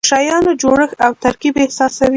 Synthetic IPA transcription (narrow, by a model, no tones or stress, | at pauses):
ʃajɑnod͡ʒoɽəxawt̪aɾkibehsɑsawi